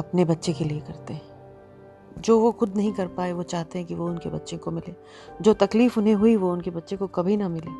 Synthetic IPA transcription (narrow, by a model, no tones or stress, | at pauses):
ɐpnebɐtːʃekeliekɐɾt̪eɦɛ̃ː | d͡ʒoːʋoxʊd̪nɐɦĩkɐɾpaːeʋot͡ʃaːɦt̪eɦɛ̃kiʋoʊnkebɐtːʃẽkomɪleː | d͡ʒoːt̪ɐkliːfʊnɦẽɦʊiʋoʊnkebɐtːʃẽkokɐbʱinɐmɪleː